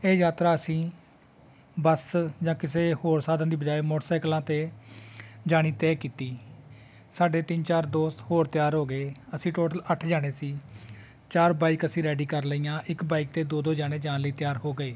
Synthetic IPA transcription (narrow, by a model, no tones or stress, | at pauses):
eːjaːt̪ɾaːəsĩː | bəsd͡ʒãːkɪseːhoːɾsaːd̪ãːd̪iːbəd͡ʒaːeːmɔːʈːsaːɪklãːt̪eː | d͡ʒaːɽ̃iːt̪ɛːkiːt̪iː | saːɖeːt̪ɪnt͡ʃaːɾd̪oːst̪hoːɾt̪ɪjaːɾɦoːɡəeːəsĩːʈoːʈələʈʰd͡ʒaːɽ̃eːsiː | t͡ʃaːɾbaːikəsĩːɾɛːɖiːkəɾləiːãːʔɪkbaːiːk̚t̪eːd̪oːd̪oːd͡ʒaːɽ̃eːd͡ʒãːnləiːt̪ɪjaːɾɦoːɡəeː